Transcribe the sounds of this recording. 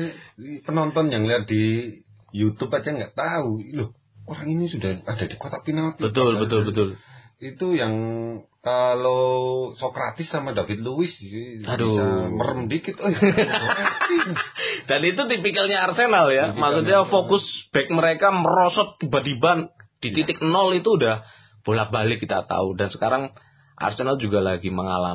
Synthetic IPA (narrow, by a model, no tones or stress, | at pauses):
pənɔnt̪ɔnjaŋliɦat̪̚di | jut̪ubad͡ʒaŋɡaʔt̪aulɔh | oɾaŋinisudahadadikot̪apinat̪bət̪ʊlbət̪ʊlbət̪ʊlit̪ujaŋkalosokɾa̰t̪ɪsːamadavɪt̪̚luwɪssiadoamə̰ɾəmdikit̪o | d̥anit̪ut̪ipikɪlɲaːrsenaljamaksut̪̚ɲafokʊsb̥ɛk̚məɾekaməɾosɔt̪̚ːibadiband̥it̪it̪ɪk̚nɔlit̪uːdah | b̥olahbalɪkit̪a̰t̪a̰udansə̥kaɾaŋ | ʔa̰rsenald͡ʒuɡalaɡiməŋa̰la̰